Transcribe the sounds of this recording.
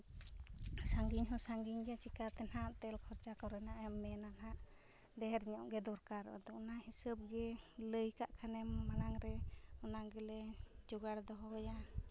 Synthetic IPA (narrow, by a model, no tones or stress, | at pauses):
saŋɡiɲɦɔsaŋɡiɲɡɛt͡ʃikat̪ɛnɦaʔt̪ɛlkʰɔɾt͡ʃakɔɾɛnaʔɛmːɛnanɦaʔ | d̪ɛɦɛɾɲɔʔɡɛd̪ɔɾkaɾ̰ʔɔ̰d̪ɔʔɔnahisəb̚ɡɛləjkaʔkʰanɛmːaɽaŋɾɛɔnaɡɛlɛd͡ʒɔɡaɽd̪ɔɦɔja